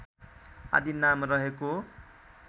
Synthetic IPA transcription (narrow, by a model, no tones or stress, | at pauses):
a̰d̪ʱinamrʌɦeko